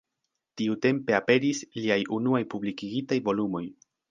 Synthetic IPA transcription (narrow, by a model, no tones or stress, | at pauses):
tiute̞mpe̞ape̞ɾisliajunuajpublikiɡitajvo̞lumo̞j